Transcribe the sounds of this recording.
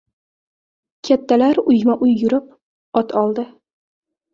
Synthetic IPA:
kʲʰat̪ːalaɾʊjmaʔʊjːʊɾɪp̚ | ɒt̪ʰɒlˠd̪ɪ

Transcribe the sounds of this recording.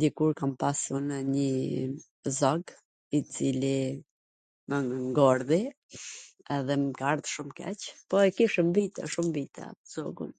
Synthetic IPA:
d̪ikuɾkampasunəɲi | zɔɡ | it͡sili | məŋŋɡɔɾði | ɛðɛmɡaɾt̪ʃumkɛ̰t͡ʃpɔɛkiʃɛmvit̪ɛ̰ʃumvit̪ʰɛ̰z̥ɔɡṵn

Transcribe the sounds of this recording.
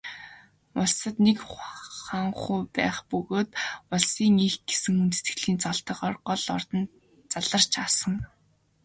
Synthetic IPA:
ʊɮsə̆t̪nekχaŋχuːpæ̰ːχpɵɣoːt̪ʊɮsiːŋixɡ̥esɘ̆ŋunt̪̆ʰt̪ɘ̆ɣɮiːnt͡sɔɮt̪ə̆χɔrɢɔɮɔrt̪ɞ̆n | t͡saɮə̆r̥t͡ɕʰaːsə̆ŋ

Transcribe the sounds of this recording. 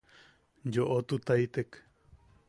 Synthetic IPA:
d͡ʒoʔot̪ut̪ajt̪ek

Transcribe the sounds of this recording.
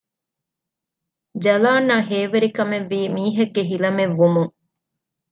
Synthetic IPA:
d͡ʒɐlaːnːaɦeːʋeɾikɐmeʋːiːmiːɦɐɡːeɦilɐmeʋːumuŋ

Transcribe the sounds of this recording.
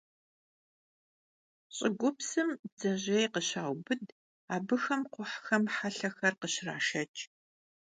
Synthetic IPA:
ɕʼɪɡʷʊpsɨmd͡zɐʑejqəɕaːwbɨd | aːbɨxɐmqʷʊħxɐmħaɬɐxɐrqəɕra̰ːʃɐt͡ʃʼ

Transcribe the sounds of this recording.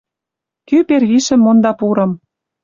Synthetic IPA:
kyperɣiʃə̆mːond̪ɑpuɾɤ̆m

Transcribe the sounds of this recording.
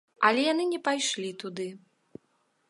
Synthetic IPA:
ɐlʲɛjan̪ɨnʲɛpajʂlʲit̪ud̪ɨ

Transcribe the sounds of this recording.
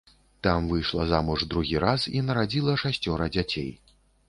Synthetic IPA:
t̪amvɨjʂlˠɐzamuʐd̪ɾuɣʲiɾasinɐɾad͡zʲilˠɐʂasʲt͡sʲɔɾɐd͡zʲat͡sʲḛj

